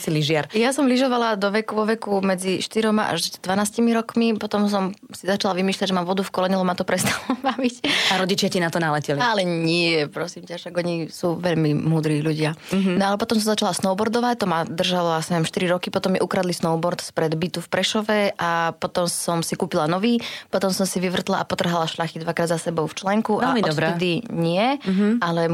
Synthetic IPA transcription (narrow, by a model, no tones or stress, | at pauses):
siliʒɪaɾjasɔmliʒɔʋalad̪ɔʋɛkuʋɔʋɛkumɛd͡ziʃt̪iɾɔmaʔa̰ʒd̪ʋanaːscimiɾɔkmipɔt̪ɔms̬ɔmsizat͡ʃalaʋimiːʃlʎaɟʒɛmamʋɔd̪ufkɔlɛɲɛlɔmat̪ɔpɾɛst̪alɔbaʋicaɾɔɟit͡ʃɪacinat̪ɔnalɛcɛlialɛɲɪɛjɛpɾɔsiːmcaʃaɡɔɲisuːʋɛʎmimuːd̪ɾiːʎuɟɪanɔalɛpɔt̪ɔms̬ɔ̃mzat͡ʃalasnɔʊbɔɾd̪ɔʋac̚t̪ɔmad̪r̩ʒalɔasɲɛʋjɛmʃt̪iɾiɾɔkipɔt̪ɔmjɛʔukɾad̪lisnɔʊbɔɾt̪spɾɛd̪bit̪ufpɾɛʃɔʋɛʔapɔt̪ɔmsɔmsikuːpilanɔʋiːpɔt̪ɔmsɔmsiʋiʋr̩t̪la̰ʔapɔt̪r̩ɦalaʃlaxid̪ʋakɾaːd̪zasɛbɔʊft͡ʃlɛŋkuʔɛalidɔɾɛɛd̪iɲɪɛʔalɛ